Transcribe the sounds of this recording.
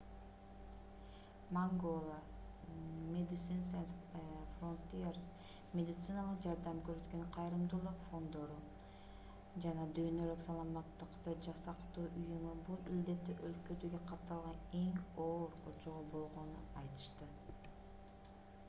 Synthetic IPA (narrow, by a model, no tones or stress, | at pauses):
maŋɡo̞lˠa | mʲed̪ʲɪt̪sɨnsensfront̪ʲiers | mʲed̪ɪt̪sɨnɑlˠəq̚d͡ʒɑɾd̪ɑmkøɾøt̪køɴqʰɑjɾɯmd̪uːlˠuqfo̞nd̪o̞ɾu | d͡ʒɑnɑd̪yjnø̞lyksɑlˠɑmɑt̪ːɯqt̪ɯd͡ʒɑsɑqt̪uːʔujumubulˠild̪e̞t̪ːyʔølkød̪øɡeqʰɑp̚t̪ːɑlˠʁɑne̞ŋo̞ːɾot͡ʃoʁobo̞lˠʁo̞nuɑjt̪ɯ̥ʃt̪ɯ